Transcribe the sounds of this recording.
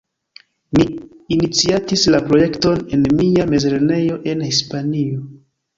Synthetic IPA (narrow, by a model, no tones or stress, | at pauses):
miːnit͡siatislapɾo̞je̞kto̞ne̞nmijame̞zlene̞jo̞ʔe̞nhispanio